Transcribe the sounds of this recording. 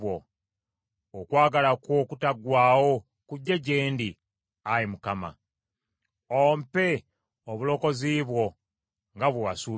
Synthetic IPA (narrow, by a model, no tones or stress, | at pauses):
wo | okwaːɡalakwo̞ːkutaɡwaːwo̞ | kuɟːe̞ɟeːndi | ajimukama̰ | ompe̞ | oβulo̞ko̞ziːβwo̞ | ŋɡaβweβa̰suː